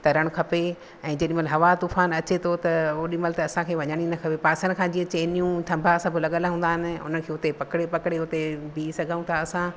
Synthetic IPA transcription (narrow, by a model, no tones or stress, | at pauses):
t̪ɐɾɐɽ̃kʰɐpe | ɛ̃ːd͡ʑɐɗɪ̃məlɦɐʋat̪uːfaːnɐt͡ɕet̪ʰot̪ɐoɗɪməlt̪ɐɐsãkʰeːʋɐɲəɽ̃inɐkʰɐpepaːsəñkʰãːd͡ʑĩːɐ̃t͡ɕeːnijũt̪ʰɐ̃mbʱaɐsãbɪlɐɠəlaɦũːnd̪aːɦɪnɪ̆ʊ̰nənɪkʰeːʊt̪epɐkɽepɐkɪɽeʊt̪ebiːsɐɡʱaũt̪ʰaɐsã